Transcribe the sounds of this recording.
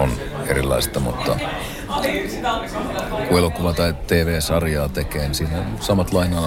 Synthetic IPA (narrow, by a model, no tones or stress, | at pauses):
on | eɾilˑɑ̰ist̪ɑmut̪ːɑ | kuelokuʋɑt̪ɑit̪eːʋeːsɑrjɑːt̪ekeːnisiːnæsɑmɑt̪lɑinɑː